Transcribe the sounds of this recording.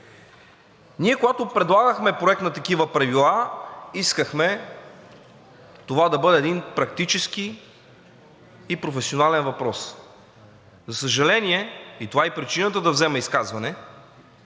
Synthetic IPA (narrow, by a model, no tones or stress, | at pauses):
niɛkoɡat̪opɾɛd̪lˠaɡəxmɛpɾoɛk̚t̪nɐt̪ɐkivəpɾɐvilˠaiskəxmɛ | t̪ovad̪ɐbɤd̪ɛːd̪inpɾɐk̚t̪it͡ʃɛski | pɾofɛsionalɛnvɐpɾɔs | zɐsəʒɐlɛniɛit̪ovaɛpɾit͡ʃinət̪əd̪ɐvzɛmɛiskazvɐnɛ